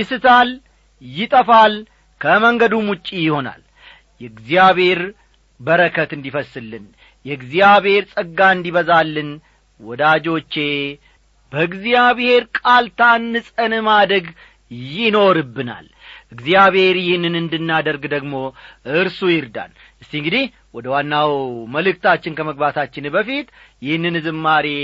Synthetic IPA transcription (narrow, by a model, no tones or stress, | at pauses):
jɪsɨt̪ʰal | jɪt̪ʼəfal | kʰəməŋɡəd̪umut͡ʃʼːijɪho̞na̰l | jɛɡzjaβhe̞ɾ | bəɾəkʰət̪ɨnd̪ifəsːɨlːɨn | jɛɨɡzijaβhe̞ɾsʼəɡːaɨnd̪iβəzalːɨn | wɔd̪ad͡ʒo̞t͡ʃːe̞ | bəɨɡzijaβhe̞ɾkʼalt̪ʰanːɨsʼənɨmad̪əɡ | jɪno̞ɾɨbːɨna̰l | ʔɨɡzijaβhe̞ɾjɪhnɨnɨnd̪ɨnːad̪əɾɡd̪əɡmo̞ɨɾsujɪɾd̪a̰n | ʔɨst̪iŋɡɨd̪ih | wɔd̪əwanːawməlɨk̚t̪ʰat͡ʃːɪnkʰəməɡbat̪ʰat͡ʃːɪnbəfit̪jɪhnːɨnɨzɨmːaɾe